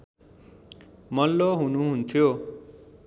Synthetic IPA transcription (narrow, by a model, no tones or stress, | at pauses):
mʌlːoɦunuɦunt̪ʰjo